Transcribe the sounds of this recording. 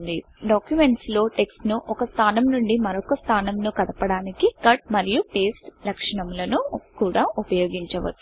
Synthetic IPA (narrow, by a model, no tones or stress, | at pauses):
nd̪i | ɖaːkjume̞ɳʈslo̞ːʈe̞ksʈnuʔɔkɐst̪ʰaːnɐmnuɳɖimɐɾɔkɐst̪ʰaːnɐmnukɐd̪ɐpɐɽaːnikikɐʈ̚mɐɾijupe̞ːsʈlɐkʂɐɳɐmlɐnukuːɽaːʔupɐjo̞ːɡiɲt͡ʃɐʋɐ̰ʈːu